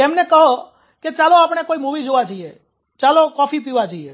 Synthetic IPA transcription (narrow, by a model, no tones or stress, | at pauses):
emnekəɦo | ket͡ʃaloapɳ̃ekoimuʋid͡ʒoʋad͡ʒoie | t͡ʃalokɔfip̬iʋad͡ʒoie